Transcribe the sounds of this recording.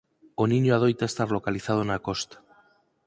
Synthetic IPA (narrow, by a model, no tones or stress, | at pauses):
oniɲoað̞ojt̪aest̪arlo̞kaliθað̞oenako̞st̪ḁ